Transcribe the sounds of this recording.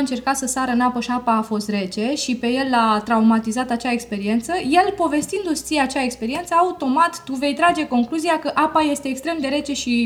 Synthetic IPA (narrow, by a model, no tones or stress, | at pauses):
ɨnt͡ʃe̞rkat̪səsaɾəɨnapəʃiapaːfo̞st̪re̞t͡ʃe̞ʃipe̞je̞lːat̪ɾaumat̪izat̪at͡ʃaekspe̞ɾie̞nt̪səje̞lpo̞ve̞st̪ind̪ust̪siat͡ʃae̞kspe̞ɾie̞nt̪səaut̪o̞mat̪ːuve̞jt̪ɾad͡ʒe̞ko̞ŋkluziakəʔapaje̞st̪e̞ːkst̪ɾe̞md̪e̞ɾe̞t͡ʃe̞ʃi